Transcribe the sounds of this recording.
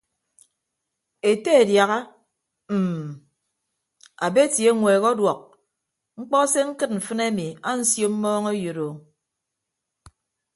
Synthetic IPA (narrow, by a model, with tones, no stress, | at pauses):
e˨te˦e˨dja˨ɣa˦ | m̩˨ | a˨be˦tje˦ŋʷeː˨ɣɔ˦dwɔ˨k̚ | ŋ͡m̩˦k͡pɔ˦se˦ŋ̩˦kɨ˦t̚m̩˨fɨ˦ne˦mi˨a˦n̩˦sjo˦m̩˦mɔː˦ŋe˦jo˨ɾo˨